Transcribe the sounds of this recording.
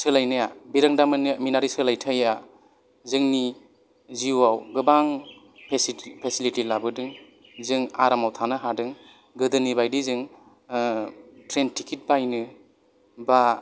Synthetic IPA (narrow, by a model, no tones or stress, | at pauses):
sɯlajnajabiɾaŋdamɯnɯminaɾisɯlajtʰaja | zɯŋni | ziwawɡɯbaŋ | pʰespʰesilitilabɯdɯŋ | zɯŋaɾamawtʰanɯɦadɯŋ | ɡɯdɯnibajdizɯŋ | tɾentʰikʰit̚bajnɯ | ba